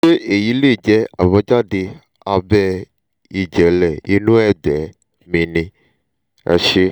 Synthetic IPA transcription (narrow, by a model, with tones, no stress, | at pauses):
ʃe˦e˨ji˨˦le˦˨d͡ʒɛ˦a˨βɔ˨˦d͡ʒa˦de˧ | a˧bɛ˦ | i˨d͡ʒɛ˨˦lɛ˨i˦nũ˦ɛ˦˨dɛ˨˦ | mĩ˧nĩ˧ | ɛ̰˧ʃe˦